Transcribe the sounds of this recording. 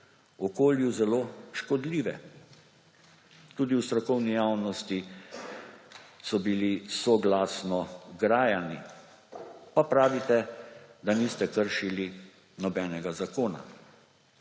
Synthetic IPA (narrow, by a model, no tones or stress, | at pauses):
ɔkoːljuzɛloːʃkɔd̪liːʋɛ | t̪uːd̪iwst̪ɾɔkɔwnijaːwnɔst̪i | sɔbilisɔɡlaːsnɔɡɾaːjani | papɾaːʋit̪ɛd̪aniːst̪ɛkəɾʃili | nɔbɛːnɛɡazakoːna̰